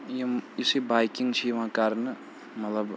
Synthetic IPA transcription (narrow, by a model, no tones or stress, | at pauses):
jimisibajkiŋɡt͡ʃʰijʋãkɐɾnɨ | mɐt̪lɐb